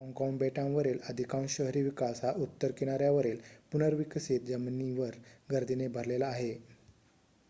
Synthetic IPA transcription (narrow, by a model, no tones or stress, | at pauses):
ɦɔŋkɔŋbɛʈãʋəɾeləd̪ʱikanɕəɦɾiʋikasɦaʔut̪ːəɾkeɽ̃aɾjaʋəɾelpunəɾʋiksit̪̚d͡ʑəmniʋəɾɡəɾd̪ʱinebʱəɾlelaːɦe